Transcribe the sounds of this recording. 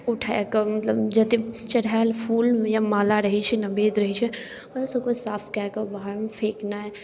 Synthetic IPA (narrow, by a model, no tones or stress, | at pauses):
uʈʰaekɔmɐt̪ləbd͡ʒɐd̪it͡ʃɐɽalpʰuːljamaːlaɾəɦit͡ʃʰinɐbeːd̪ɾəɦit͡ʃʰi | ɔsɐkosaːpʰkakɐbaɦaɾmpʰeːkna